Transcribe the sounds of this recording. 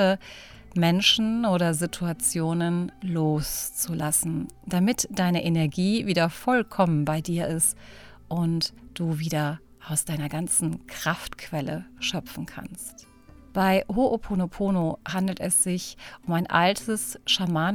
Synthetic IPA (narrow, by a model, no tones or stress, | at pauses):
ə | mɛnʃn̩ʔoːɾɐzitʰuat͡sjoːnənloːst͡sulasn̩d̥amɪtd̥aɪnəʔenɛɐɡiːviːdɐfɔlkʰɔmənbaɪdiːɐʔɪst | ʔʊntd̥uːviːdɐ | ʔaʊsd̥aɪnɐɡant͡sn̩kʁ̥aftkv̥ɛlə̰ʃœpp͡fn̩kʰa̰nst | b̥aɪɦoʔopʰonopʰoːnohandl̩tɛsz̥ɪçʔʊmaɪnʔa̰ltʰəsʃamaːn